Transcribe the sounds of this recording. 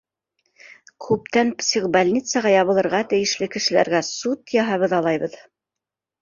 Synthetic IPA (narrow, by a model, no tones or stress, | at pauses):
kʰʉp̚t̪ænpsʲiqbalʲnʲit̪səʁɑjɑβɤ̆lˠɤ̆ɾʁɑt̪ɘ̆jɘ̆ʃlɘkɘ̆ʃɘ̆læ̰ɾɡæsut̪jɑɦɑβɤðɑlˠɑjβɤð